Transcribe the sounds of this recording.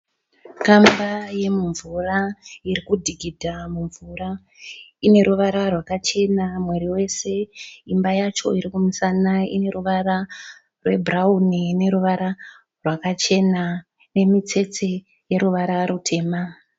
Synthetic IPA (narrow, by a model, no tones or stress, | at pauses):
kambaje̞muɱvuraiɾikudʱiɡʱidʱamuɱvura | ine̞ɾuʋaɾarwakat͡ʃe̞namwe̞ɾiwe̞se̞imbajat͡ʃo̞̰iɾikumusanaḭne̞ɾuʋaɾa | rwe̞braunine̞ɾuʋaɾa | rwakat͡ʃe̞na | ne̞mit͡se̞t͡se̞ | je̞ɾuʋaɾaɾutʰe̞ːma